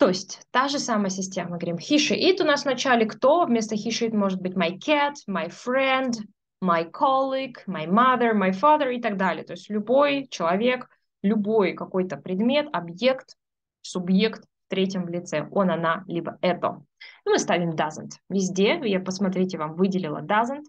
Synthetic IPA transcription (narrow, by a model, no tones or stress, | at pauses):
t̪o̞ɪsʲtʲt̪aʐɨsaməjəsʲɪsʲtʲeməmɨɡəvɐɾʲimxʲiʂɨʔit̪ʊnasvnɐt͡ɕalʲɪkt̪o̞vmʲe̞st̪əxʲiʂɨit̪mo̞ʐɨt̪̚bɨtʲmɐjkʰʲæt̪majfɾɛnd̪ | mɐjkʰɔlʲˠɪkmajmaðərmajfaðəɾɪt̪ɐɡ̚d̪alʲɪ̰jət̪oɪsʲtʲlʲʊbo̞jt͡ɕɪlˠɐvʲe̞k | lʲʊbo̞jkɐko̞jt̪əpɾʲɪd̪mʲe̞t̪ɐbje̞kt̪ | sʊbje̞kt̪ft̪ɾʲetʲjɪmvlʲɪt̪sɛo̞nɐnalʲibəɛt̪ə̰ | imɨst̪avʲɪmd̪azə̰nt̪vʲɪzʲdʲejapəsmɐt̪ɾʲitʲɪvamvɨdʲɪlʲɪlˠə̰d̪azənt̪